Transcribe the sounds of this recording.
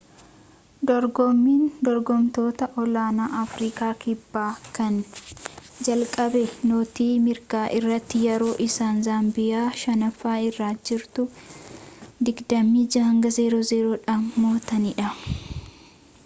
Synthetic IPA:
d̪ɔɾɡɔmːiːnd̪ɔɾɡɔmt̪o̞ːt̪ɐʔɔlaːnaːʔɐfɾiːkaːkɪbːaːkɐn | d͡ʒɐlkʼɐbɛnoːt̪iːmɪɾkaːʔɪrːɐt̪ːɪjɛɾo̞ːʔɪsaːnzaːmbɪjaːʃɐnɐfːaːɪrːaːd͡ʒɪɾt̪ʊ | d̪ɪɡd̪ɐmːiːd͡ʒɐhɐŋɡɐzeːɾoːzeːɾoːᶑaːnmoːt̪ɐnɪᶑɐ

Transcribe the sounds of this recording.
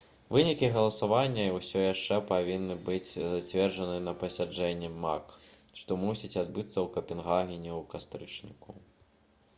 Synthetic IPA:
vɨnʲikʲiɣɐlˠɐsavanʲːɐwsʲɔjaʂt͡ʂɛpavʲinːɨbɨt͡sʲzat͡sʲvʲɛrʐɐnɨnɐpɐsʲad͡ʐɛnʲːɛma̰kʂt̪ɔmusʲit͡sʲad̪bɨt̪sːɐwkɐpʲɛnɣaɣʲinʲɛwkast̪ɾɨt͡ʂnʲḭku

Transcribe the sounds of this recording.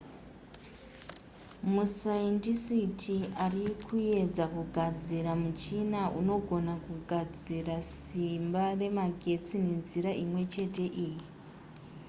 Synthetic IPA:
musaentisitʰiarikʰuje̞d͡zakuɡʱad͡ziɾamut͡ʃinaʔuno̞ɡʱo̞nakuɡʱad͡zirasimbare̞maɡʱe̞t͡sine̞nziɾaʔimwe̞t͡ʃe̞te̞ʔiːji

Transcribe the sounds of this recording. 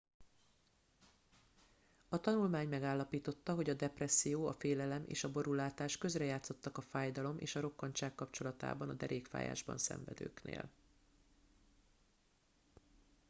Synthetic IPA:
ɒt̪ɒnulmaːɲmɛɡaːlːɒpiːt̪o̞t̪ːɒɦo̞ɟɒd̪ɛprɛsːijoːɒfeːlɛlɛmʔḛːʃɒbo̞ɾulaːt̪aːʃkø̞zrɛjaːt̪so̞t̪ːɒkɒfaːjd̪ɒlo̞mʔḛːʃɒɾo̞kːɒnt͡ʃaːkːɒpt͡ʃo̞lɒt̪a̰ːbɒnɒd̪ɛɾʔeːkfa̰ːja̰ːʒbɒ̰nsɛ̰ɱvɛ̰d̪ø̰ːknḛːl

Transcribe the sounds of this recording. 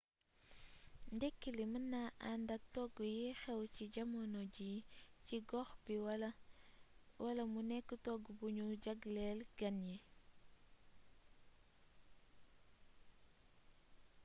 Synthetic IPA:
ndɛkːilimənːaʔandɐk̚tɔɡujixɛwciɟɐmɔnɔɟiciɡɔxbi | wɐlɐmunɛkːətɔɡubuɲuɟɐɡlɛlɡɐnji

